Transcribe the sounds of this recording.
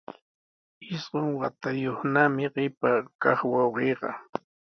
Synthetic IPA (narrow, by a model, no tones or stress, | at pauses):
ɪsɢoŋwat̪ajoχnamɪɢɪpakɑχwɑwɢeːɢɑ̰